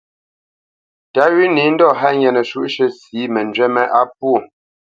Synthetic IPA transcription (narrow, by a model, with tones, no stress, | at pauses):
ta˨˦ɥi˦ni˨˦n̩˦dɔ˦˨ɦa˦ɲɛ˨nə˨ʃu˦ʔʃə˦siː˨˦mɛ˨nd͡ʒwɛ˦mɛ˦ʔa˦p̚u˦o˦˨